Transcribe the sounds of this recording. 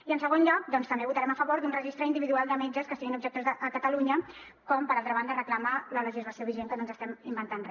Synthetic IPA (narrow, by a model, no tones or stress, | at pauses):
iənsəɣ̞onʎɔk̚d̪ɔnst̪əmbeβut̪əɾɛməfəβoɾd̪unrəʒist̪ɾəind̪iβiðualˠd̪əmɛd͡ʒəskəstiɣinubʒək̚t̪ozðəʔːkət̪əluɲə | kɔmpəɾalˠt̪ɾəβand̪ərəklamələləʒizləsioβiʒeŋkənoənzəst̪ɛmimbənt̪anr